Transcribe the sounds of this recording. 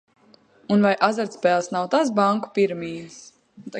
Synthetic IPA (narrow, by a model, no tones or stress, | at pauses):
unvajʔazaɾt̪spɛːlˠsnawt̪as̬baŋku̥piɾmiːs | t̪